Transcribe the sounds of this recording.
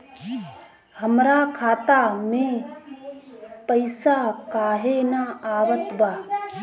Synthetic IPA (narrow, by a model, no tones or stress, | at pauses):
həmɾakʰaːt̪amẽ | pəɪsakaːɦenaaːwət̪baː